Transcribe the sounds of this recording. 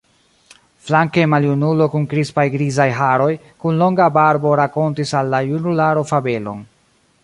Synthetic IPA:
flaŋkemaljunulo̞kunkɾispajɡɾizajɦaɾo̞j | kunlo̞ŋɡabaɾbo̞ɾako̞ntisalːajunulaɾo̞fabe̞lo̞̰n

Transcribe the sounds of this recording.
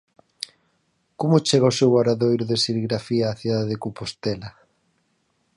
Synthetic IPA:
komʊt͡ʃeɣaosewɣaɾaðojɾʊðesiliɣɾafiaːθiðaðeðekopost̪ɛla

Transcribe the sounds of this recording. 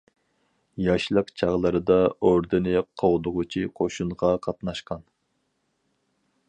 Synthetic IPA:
jɑʃlˠəqt͡ʃʰɑʁlˠɨɾɨd̪ɑoɾd̪ɨnɨqʰowd̪ʊʁʊt͡ʃʰiqʰoʃuɴʁɑqʰɑt̪nɑʃqɑn

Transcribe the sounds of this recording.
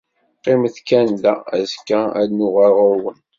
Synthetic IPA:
qːemθkænd̪ææzkːææ̰dnʊʁæɾʁʊɾwən

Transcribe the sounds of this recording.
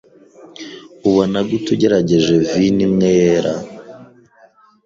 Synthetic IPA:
uβonaɡutuɟe̞ɾaɟe̞ʒe̞vinimŋejeɾa

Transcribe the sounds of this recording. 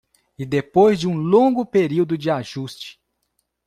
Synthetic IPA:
ɪd̪epojzd͡ʒɪũlõŋɡʊpeɾiwd̪ʊd͡ʒɪaʒust͡ʃɪ̥

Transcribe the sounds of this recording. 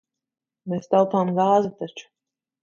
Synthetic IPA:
meːst̪alˠpaːmɡaːzat̪at͡ʃu̥

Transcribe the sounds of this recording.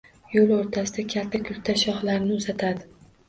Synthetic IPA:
jolˠoɾt̪ʰasɪd̪akʲʰalt̪ʰːakʲʰʊlt̪ʰaʃɒχlaɾnɪʊzat̪ʰad̪ɪ

